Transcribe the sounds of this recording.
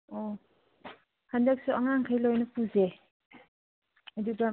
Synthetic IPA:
ɔ | handak̚suɐŋaŋkʰajlojnɐpʰuze | ɐduɡa

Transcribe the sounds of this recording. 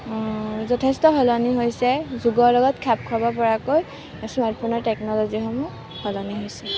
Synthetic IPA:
zɔtʰestɔɦɔlɔniɦojsɛzuɡɔɹlɔɡɔtkʰap̚kʰɔbɔpɔɹakoj | smaɹtpʰɔnɔɹtɛknɔlɔzixɔmɔ | hɔlɔniɦojsɛ

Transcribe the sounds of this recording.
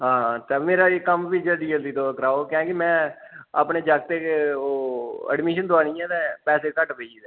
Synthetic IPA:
ɦãːt̪eːmeːɾaːekəmʋiːd͡ʒəld̪iːəld̪iːt̪oːkəɾaːoːkãːkɪmɛ̃ːa̰ːpɳeːd͡ʒaːk̚t̪eːeoːə̰ɖmiːʃənd̪ʊaːñiːɛ̃ːt̪ɛːpɛːseːkəʈbeːd͡ʒiːɛ

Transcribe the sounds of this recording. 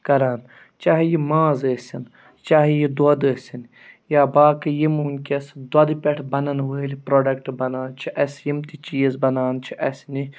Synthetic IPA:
kɐɾaːn | t͡ʃaːɦijimãːzəːsʲin | t͡ʃaːɦijid̪ɐd̪əːsʲin | jaːbaːkɨjimunkʲɐsd̪wɐd̪ɨpʲɛʈʰbɐnɐnʋəːlʲipɾoːɖɐkʈbɐnaːnt͡ʃʰiʔɐsjimt̪it͡ʃiːzbɐnaːnt͡ʃʰiʔɐsʲni

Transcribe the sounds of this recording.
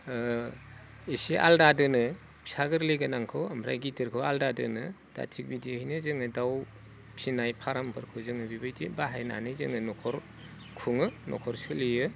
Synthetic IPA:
isiʔa̰ldadɯnɯ | bi̥saɡɯɾleɡanaŋkʰɯwampʰɾa̰jɡitɯɾkʰɯwaldadɯ̰nɯ | d̥a̰tʰik̚bidihajnɯzɯŋɯdaw | sinajpʰaɾampʰɯɾkʰɯzɯŋɯbibajdibaɦajna̰nɯjzɯ̰ŋɯnɔkʰɔɾ | kʰuŋɯnɔ̰kʰɔɾsɯlijɯ

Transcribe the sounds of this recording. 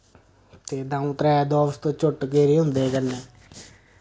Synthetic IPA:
t̪eːd̪ãːũt̪ɾɛːd̪ɔːst̪oːt͡ʃʊʈkeːɾiːɦʊ̃nd̪eːkənːeː

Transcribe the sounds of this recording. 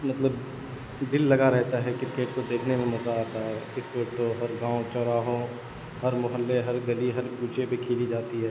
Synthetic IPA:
mɐt̪ləb | d̪ɪlːɐɡaɾɛɦt̪aɦɛkɪɾɪkeːʈkod̪eːkʰnemẽmɐzaaːt̪aɦɛkɪɾkeːʈ̚t̪oɦɐɾɡãːõt͡ʃɔːɾaːɦõ | hɐɾmʊɦəlːeɦɐɾɡɐliɦɐɾɡuːd͡ʒepekʰiːlid͡ʒaːt̪iɦɛː

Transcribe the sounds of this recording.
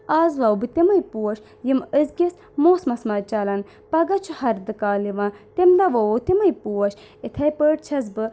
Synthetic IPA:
aːzʋɐwbɨt̪imɐjpuwɐʃ | jiməzɡʲis | moːsmɐsmɐt͡ʃɐlɐn | pɐɡɐt͡ʃʰuhɐɾd̪ɨkaːliʋɐ̃ːt̪emd̪ɐʋɐwot̪imɐjpuwɐʃ | it̪ʰɐjpəːʈ̚t͡ʃʰɐzbɨ

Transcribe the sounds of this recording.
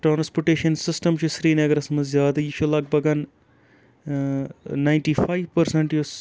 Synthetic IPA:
ʈɾaːnɐspuʈeːʃɐnsɪsʈɐmt͡ʃusɾiːneɐɡɐɾɐsɐmɐzjaːd̪ɐiʃʰulɐɡ̚bɐɡɐn | naːjɳʈiːfaːjʋpɐɾseɳʈjus

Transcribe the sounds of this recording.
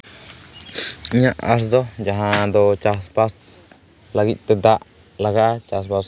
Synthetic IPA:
ɲãʔa̰s̬d̪ojaɦãd̪ot͡ʃasbas | laɡit̪ed̪aʔ | laɡaʔt͡ʃasbas

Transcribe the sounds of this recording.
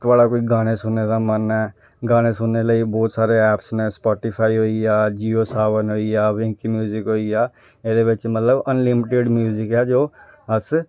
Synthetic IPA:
t̪ʊʋaːɽaːkoːiɡaːñesʊnːeːd̪aːmənɛː | ɡaːñesʊnːeləibɔːt̪saːɾeɛːpsnɛ̃ːspɔːʈɪpʰaːiɦoːiaːd͡ʒiːoːsaːʋənɦoːijaːʋɪ̃ːkimjuːzɪkɦoːiaː | ɪd̪eːbɪt͡ʃmət̪ləbənlɪmɪʈeɖmjuːzɪkɛːd͡ʒoːəs

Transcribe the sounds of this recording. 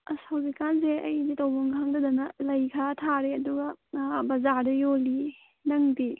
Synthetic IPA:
ɐsawdikanseɐjditɐwbɔŋɡhaŋdɐdɐnɐlɐjkʰatʰaɾeɐduɡɐbɐzaɾdɐjoli | nɐŋdi

